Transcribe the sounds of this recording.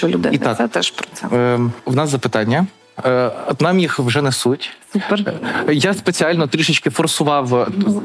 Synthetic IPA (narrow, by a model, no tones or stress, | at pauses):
ʊd̪ɪ̰it̪ɑkt̪ɛʃpɾɔɛʋnɑszɐpɪt̪ɑnʲːɐ | nɑmjixwʒɛnɛsutʲsupjaspet͡sʲiɑlʲnɔt̪ɾʲiʃɪt͡ʃkɪfɔrsʊʋɑw